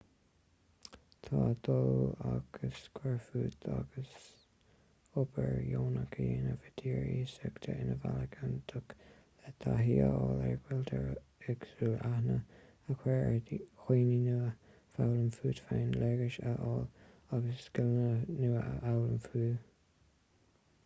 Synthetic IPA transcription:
t̪ʰɑːd̪̥oaɡ̥əskʰwɛɹfuːt̪ʰaɡəs | ʊbəɹjoːnəkʰəjeːnəvəd̪̥iːɹiːsəkt̪ʰəʔɪnəvaləɡʰənt̪ʰʊk | ɛt̪ʰaɦiːəɔːlɛɹɡwɪlt̪ʰəɹɪɡsuːlahnə | əkʰwɛɹxwiːninuə | fawləmfuːd̪faːnlɛɡəʃəʔɑːl | aɡəsɡ̥ɪlnənuːawləmfuː

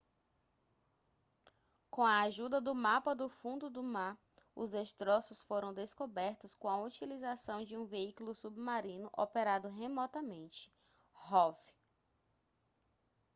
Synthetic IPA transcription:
kõw̃ɐːʒud̪ɐd̪ʊmapɐd̪ʊfũnd̪ʊd̪ʊmaɾ | ʊzd̪est̪ɾɔsʊsfoɾɐ̃w̃d̪eskobɛɾt̪ʊskõɐut͡ʃilizasɐ̃w̃d͡ʒɪũveikulʊsubmaɾĩnʊʔɔpeɾad̪ʊɦemɔt̪ɐmẽnt͡ʃɪ̥ | hɔv

